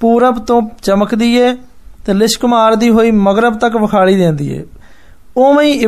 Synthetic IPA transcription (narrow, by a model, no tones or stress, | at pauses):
puːɾəbt̪õːt͡ʃəməkd̪iːɛː | t̪eːlɪskʊmaːɾd̪iːɦoːiːməɡɾəbt̪əkʋəkʰaːɽiːd̪ẽːnd̪ḭːɛ̰ː | oːməĩː